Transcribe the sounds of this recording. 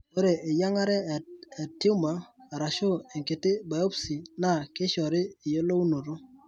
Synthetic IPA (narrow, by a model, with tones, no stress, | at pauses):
o˦ɾe˨ɪ˨ja˦ŋa˦ɾɛ˦e˨ti˦u˦maː˨ɾa˨ʃo˦e˨ŋke˨tɪ˦ba˨o˦psi˨na˦˨kɪ˦ʃɔ˨ɾɪ˦ɪ˨jo˦lo˦u˦no˨ɾo˦